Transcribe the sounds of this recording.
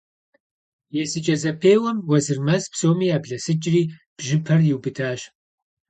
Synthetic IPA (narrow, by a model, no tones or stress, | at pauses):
jɛsɨt͡ʃʼɐzɐpʰeːwɐmwɐzɨrmɐspsoːmiːaːbɮɐsɨt͡ʃʼriː | b̥ʒɪpʰɐrjɪwbɨtʰaːɕ